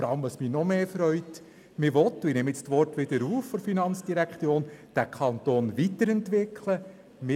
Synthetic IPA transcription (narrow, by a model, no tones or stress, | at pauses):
fɔɾɑləmʋɑsminɔmeːfɾœʏt | mɪʋɔt̪ːɪnɛmɪt͡stʋɔrtʋɪd̪əɾuːfːɔɾfinɑnt͡sd̥iɾækt͡sjoːnd̥ækʰɑnt̪oːnʋitəɾɛnt̪ʋɪkʰlə | mɪ